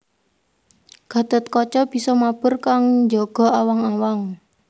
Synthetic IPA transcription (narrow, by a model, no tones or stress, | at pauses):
ɡ̥a̤d̪̥ət̪̚kɔt͡ʃɔb̥i̤sɔmab̥ʊrkaŋd͡ʒɔɡ̥ɔ̤awaŋawaŋ